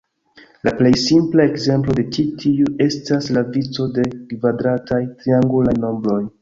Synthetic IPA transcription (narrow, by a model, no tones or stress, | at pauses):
laple̞jsimplae̞kze̞mplo̞de̞t͡ʃitʰiuʔe̞staslavit͡so̞de̞kvadɾatajtɾiaŋɡulajno̞mbɾo̞j